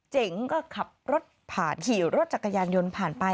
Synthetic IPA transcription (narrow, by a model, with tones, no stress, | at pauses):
t͡ɕe˨˩˦ŋkɔː˥˩kʰa˨˩p̚ɾo˦˥t̪̚pʰa̰ː˨˩nkʰiː˩˦wɾo˦˥t̪̚t͡ɕa˨˩kːa˧jaː˧njo˧npʰaː˨˩npa˧